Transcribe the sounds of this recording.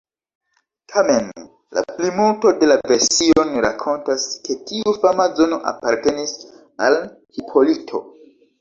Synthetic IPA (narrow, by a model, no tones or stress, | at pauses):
tʰame̞n | la̰plimulto̞de̞lave̞ɾsio̞nɾakʰo̞ntaskʰe̞tʰiufamazo̞no̞ʔa̰paɾte̞nis | al | hipʰo̞litʰo̞̰